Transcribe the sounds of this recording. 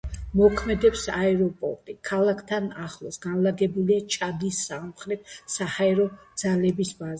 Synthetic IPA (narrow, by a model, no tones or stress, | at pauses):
mɔkʰmɛd̪ɛpsaɛɾɔpʼɔ̰ɾt̪ʼikʰalˠakʰt̪ʰanaχlˠɔsɡanlaɡɛbuliat͡ʃʼad̪isːamχɾɛt̪̚ʰsahaɛɾɔd̪z̥alɛbisbaz